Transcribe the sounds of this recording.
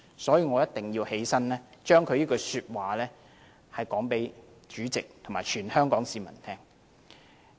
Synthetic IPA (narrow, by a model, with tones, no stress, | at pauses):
sɔː˨˥jiː˧ŋɔː˨˧jɐ˥t̚t̪ɪ˨ŋjiː˧whe˨˥jsɐ˥nlɛː˥t͡ʃœː˥ŋkʰɵ˨˧ɥniː˥kɔ˧syː˧t̚waː˨lɛː˥ | hɐ˨jkɔː˨˥ŋpe˨˥j | t͡ʃyː˨˥t͡sɪ˨k̚t̪ʰmaː˨˩jt͡ʃʰyː˨˩nhœː˥ŋkɔː˨˥ŋsiː˨˧mɐ̰˨˩nt̪ʰɛː˥ŋ